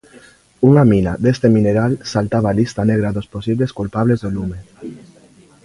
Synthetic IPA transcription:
uŋamina̰d̪est̪emineɾalsalt̪aβalist̪aneɣ̞ɾaðosposiβleskulpaβlezðolume

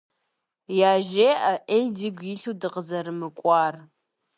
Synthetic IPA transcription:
jaːʒeːaʔediɡʷjiɬudɨqəzɐɾɨmɨkʷʼɑːr

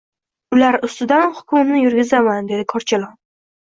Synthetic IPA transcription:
ʊlaɾʊst̪ɪd̪anhʊ̥kʰʊmmnɪjʊɾɡʲɪzamand̪e̞d̪ɪkʰɒɾt͡ʃʰalˠɒn

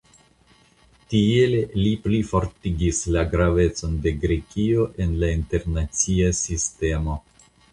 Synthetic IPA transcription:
tie̞lliplifo̞ɾtiɡislaɡɾave̞t͡so̞nde̞ɡɾe̞kio̞ʔe̞nlainte̞ɾnat͡siasiste̞mo̞

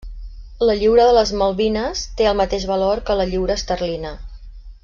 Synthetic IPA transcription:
ləʎiwɾəðələzməlˠβinəst̪eəlˠmət̪eʒβəloɾkələʎiwɾəːst̪ərlinə

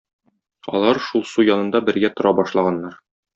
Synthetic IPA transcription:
ɒ̰lˠɑɾʃulˠsujɒnɤ̆nd̪ɑbɘ̆ɾɡæt̪ŏɾʔɑbɒʃlˠɑʁɑnːɑɾ

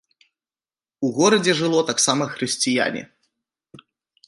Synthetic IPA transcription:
uɣɔɾɐd͡zʲɛʐɨlˠɔt̪aksamɐxɾɨsʲt͡sʲija̰nʲɛ̰

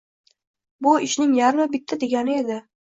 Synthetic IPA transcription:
bʊɪʃnɪŋjaɾmɪbɪt̪ʰːad̪e̞ɡʲanɪe̞d̪ɪ

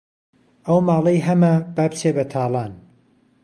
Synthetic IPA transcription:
ʔɐwmaːlˠɐjɦɐmɐbab̚t͡ʃʰeːbɐt̪ʰaːlˠɑːn

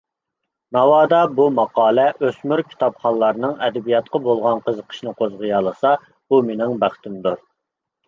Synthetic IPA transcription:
nɑwɑːd̪ɑbumɑqɑːlˠɛʔøsmyɾkʲʰi̥t̪ɑpχɑnlˠːɑɾnɨŋɛd̪ɛbijɑt̪̚qɑbolˠʁɑnqʰəzəqʰə̥ʃnɨqʰozʁəjɑːlˠəsɑ | b̥umenɪŋbæχt̪ɪmd̪uɾ

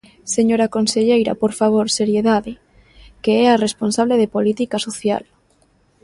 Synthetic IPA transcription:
seɲoɾakonseʎejɾa̰poɾfaβ̞oɾseɾjeðaðe | keɛaresponsaβ̞leð̞epolit̪ikasoθja̰l

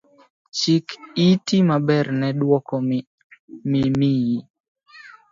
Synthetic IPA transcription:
t͡ʃikitimabɛrnɛdwɔkɔ | mimiji

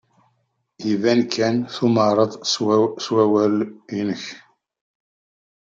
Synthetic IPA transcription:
ivænkʰːænθuməɾˤəðˤswæwælinəç

